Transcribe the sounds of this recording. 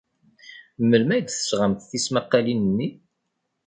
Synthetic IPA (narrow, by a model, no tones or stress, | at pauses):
mːəlmæjd̪θə̥sʁəmθθismaqːalinənːi